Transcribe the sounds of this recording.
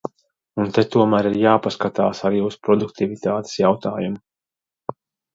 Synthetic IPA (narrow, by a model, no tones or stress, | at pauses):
unt̪et̪uɔmæːɾiɾjaːpaskat̪aːsaɾjuːspɾɔd̪uk̚t̪ivit̪aːt̪e̥sjawt̪aːjumu